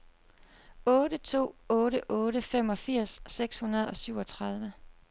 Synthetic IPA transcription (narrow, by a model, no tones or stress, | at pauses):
ɔːɾət͡sʰo̝̰ːɔ̽ːɾəʔɔːɾəfem̰ɒ̽fiɐ̰sːeɡ̥shunɐðˠɒ̽syʊ̰ɒ̽t͡sʰʁɑð̞ˠʋə